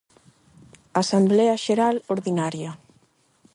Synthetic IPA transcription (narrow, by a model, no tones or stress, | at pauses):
asambleaʃeɾaloɾðinaɾja